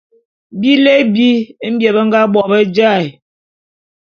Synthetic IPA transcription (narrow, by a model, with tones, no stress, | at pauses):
bi˦le˦bi˦m̩˦bjɛ˨bə˦ŋ˦ɡa˦ɓɔ˨bə˦d͡ʒa˦˨j